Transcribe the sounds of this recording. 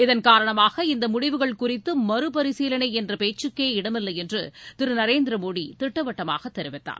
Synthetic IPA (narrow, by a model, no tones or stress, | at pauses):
ɪðɐnkaːɾɐɳɐmaːɣɐɪnd̪ɐmʊɽɪʋɯɣɐɭkʊrɪt̪ːɯmɐɾɯp̬ɐɾɪsiːlɐɳɐɪɛndrɐpeːt͡ʃːɯkːeːɪɽɐmɪlːɐjɛndrɯt̪ɪɾɯnɐɾeːnd̪ɪɾɐmoːɽit̪ɪʈːɐʋɐʈːɐma̰ːɣɐt̪ːɛɾɪʋɪt̪ːa̰ːɾ